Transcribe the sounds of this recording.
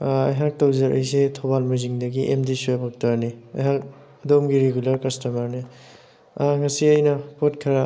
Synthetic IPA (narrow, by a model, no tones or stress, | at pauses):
ɐjɦak̚tɐwzɐɾʔɐ̰jsetʰobalmuziŋdɐɡiʔemdisuabak̚tɐɾniɐ̰jɦak̚ | ɐdomɡiɾeɡulɐɾkɐstɐmaɾni | aŋɐsiɐjnɐpotkʰɐɾa